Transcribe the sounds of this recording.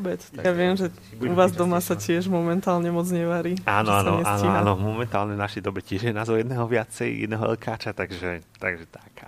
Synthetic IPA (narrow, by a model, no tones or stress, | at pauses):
bɛt͡sjaʋɪɛmʒɛ | uʋaːzd̪ɔmasacɪɛʒmɔmɛnt̪aːlɲɛmɔd͡zɲɛʋaɾiːaːnɔanɔɛʔa̰ːnɔiaːnɔmɔmɛnt̪aːlɲɛvnaʃɛjd̪ɔbɛcɪɛʒjɛnaːzɔʊjɛd̪nɛːɦɔʋɪat͡sɛjjɛ̰d̪nɛɦɔɛ̰lkʰaːt͡ʃat̪aɡʒɛt̪aɡʒɛt̪ak